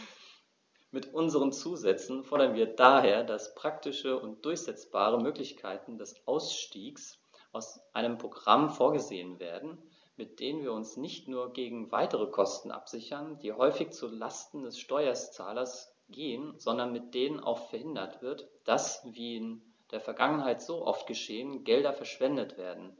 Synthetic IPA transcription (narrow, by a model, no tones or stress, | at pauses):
mɪtʔʊnzəʁənt͡suːzɛt͡sn̩fɔɐɾɐnviːɐdaːheːɐdaspʁ̥ak̚tɪʃəʔʊnt̚d̥ʊɐçz̥ɛt͡sb̥aːʁ̞əmøːklɪçkʰaɪtn̩dɛsʔaʊsʃtiːks | ʔaʊsʔaɪnəmpʁ̥oɡʁa̰mfoːɐɡəzḛːənvḛːɐdn̩ | mɪt̚d̥eːnənviːɐʊnsnɪçtnuːɐɡeːɡŋ̩va̰ɪtəʁəkʰɔstn̩ʔa̰pz̥ɪçɐnd̥iːhɔʏfɪçt͡sulastn̩dɛsʃtɔʏɐt͡sa̰ːlɐs | ɡ̥eːənzɔndɐnmɪt̚d̥eːnənʔa̰ʊxfɛɐhɪndɐtv̥ɪɐtd̥asviːɪn | d̥eːɐfɛɐɡaŋənɦaɪtz̥oːʔɔ̰ftɡ̥əʃeːənɡɛldɐfɛɐʃv̥ɛndətv̥eːɐdn̩